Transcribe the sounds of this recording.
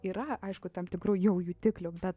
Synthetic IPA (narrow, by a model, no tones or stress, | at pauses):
iːɾɐɐɪʃkʊt̪ɐmt̪ʲɪkɾuːjɛʊjuːt̪ʲɪklʲʊbʲɛt̪